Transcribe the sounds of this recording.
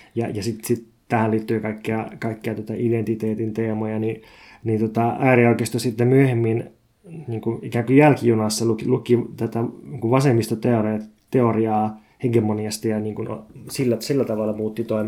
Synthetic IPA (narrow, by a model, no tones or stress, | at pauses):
jɑ̰jɑsit̪sit̪ | t̪æhæliːt̪ːyːkɑikːeɑkɑikːeɑt̪uŏt̪ɑʔident̪it̪eːt̪int̪eːmojɑni | nint̪ot̪ɑæːrioikest̪osit̪ːemyøhemːin | niːŋkuikæːŋkujjælkijunɑsːɑlukilukit̪æt̪æniːŋkuʋʋɑsemːist̪ɑt̪eore | t̪eoriɑː | heɡemoniɑst̪iɑniːŋkuno̰silːæsilːæt̪ɑʋɑlːɑmuːt̪ːit̪oim